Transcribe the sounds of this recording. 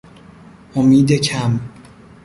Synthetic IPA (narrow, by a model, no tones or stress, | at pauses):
ʔomiːd̪ecʰæm